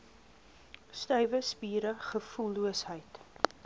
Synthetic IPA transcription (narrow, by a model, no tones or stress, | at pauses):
stœɥvəspiːɾəχəfuluəsɦəjt